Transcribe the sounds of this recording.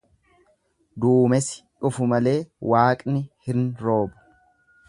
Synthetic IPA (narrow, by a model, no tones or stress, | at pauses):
d̪uːmɛsɪ̥ᶑʊfʊmɐle̞ːwaːkʼnɪhɪnɾo̞ːbʊ̥